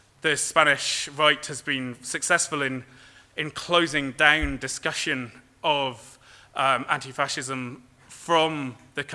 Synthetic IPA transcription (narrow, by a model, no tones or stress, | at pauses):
ðəspanɪʃɹaɪthəzbĩnsəksɛsfəlɪ̃n | ɪ̃nkʰl̥oʊzɪ̃ŋdãʊ̃ndɪskʌʃə̃n | ʔəv̥ | ʔʌmã̰ntifaʃɪzə̃m | fɹə̃mðəkʰ